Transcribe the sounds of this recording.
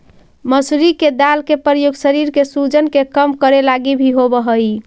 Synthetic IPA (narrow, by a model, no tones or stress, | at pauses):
məsɾiked̪alkepɾɾəjoɡsəɾiɾkesud͡ʒənkekəmkəɾelaɡibʱiɦobəɦəj